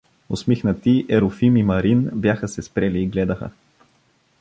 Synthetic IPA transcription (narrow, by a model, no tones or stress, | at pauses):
osmixnət̪iʔɛɾofimimɐɾinbjaxəsɛspɾɛliːɡlɛd̪əxə̰